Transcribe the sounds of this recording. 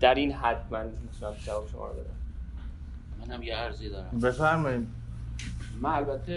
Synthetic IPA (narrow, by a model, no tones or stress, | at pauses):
d̪̥æɾinɦæd̪mænmiit̪ʰunæmd͡ʒævɒːbeʃomɒ̰ːɾ̰d̪ɒ̰ːɾæ̰m | mænhæmjeæɾzid̪ɒːɾæbefæɾmɒid̪ | mænælbæt̪ʰːe